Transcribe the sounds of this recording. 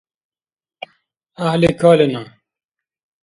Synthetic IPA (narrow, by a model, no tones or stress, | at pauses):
ahlekʰaːlena